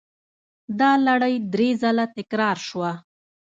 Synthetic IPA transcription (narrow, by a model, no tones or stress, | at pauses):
d̪ɑlaɽəjd̪ɾezalat̪ɪkɾɑɾʃwa